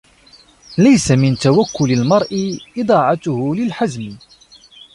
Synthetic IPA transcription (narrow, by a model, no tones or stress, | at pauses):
lajsamɪnt̪awakːʊlalmɑɾˤʔɪʔɪd̪ˤɑːʕɑt̪ʊhlɪlħazmɪ